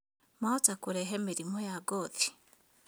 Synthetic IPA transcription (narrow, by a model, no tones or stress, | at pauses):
maotakuɾeɦemiɾimojaɡoði̥